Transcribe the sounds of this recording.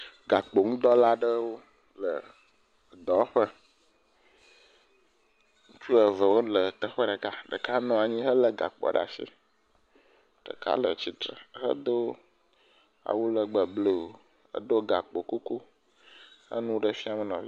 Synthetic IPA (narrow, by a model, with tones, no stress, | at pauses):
ɡa˨k͡po˨ŋũ˦d̪ɔ˦la˦ɖə˦wo˦ | lə˨ | d̪ɔ˨˦ɸə˦ | ŋ̩˦t͡ʃu˦ə˨və˨wo˦lə˨t̪ə˦ɸə˦ɖə˨ka˦ɖə˨ka˦nɔ̃˨a˨ɲĩ˦ɦə˦lə˨ɡa̰˨k͡pɔ̰˨ɖa̰˨sḭ˦ | ɖ̥ə̰˨ka̰˦lə̰˨t͡ɕi˦t̪ɾə̰˨ɦə̰˦d̪o˦ | a̰˨wu˦lə˨ɡ͡bə˨ble˦˨o˨ | ə̰˦d̪o˦ɡa˨k͡po˨ko˦ko˦ | hə̰˦nũ˦ɖə˦fi˦a˨mə˨nɔ̃˨˦